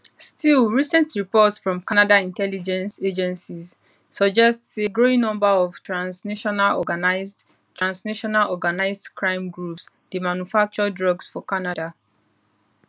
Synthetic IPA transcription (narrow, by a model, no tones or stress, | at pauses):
stʰilˠɹisɛ̃ntɹipɔtsfɹɔ̃mkanadaĩntɛlid͡ʒɛ̃nsed͡ʒɛ̃nsizː | ɔd͡ʒɛstseɡɹoĩnɔ̃mbəɔv̥tɹãnsnaʃɔnalɔ̰ɡanaɪzd | tʰɹãnsnaʃɔnalɔɡanaɪzdkʰɹãɪ̃mɡɹups | demanjufak̚t͡ʃɔdɹɔɡsfɔkanada